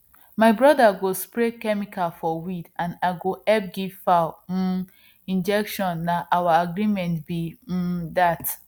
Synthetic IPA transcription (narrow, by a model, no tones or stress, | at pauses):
maɪbɹɔdaɡospɹekɛmikalfɔwidãnaɪɡoɛp̚ɡivfa | ĩnd͡ʒɛkʃɔ̃nːaʔawaaɡɹimɛ̃ntbidat